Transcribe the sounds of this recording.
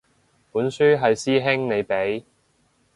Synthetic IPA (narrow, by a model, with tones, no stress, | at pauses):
puː˨˥nsyː˥ɦɐ˨jsiː˥ɦɪ˥ŋne˨˧jpe˨˥j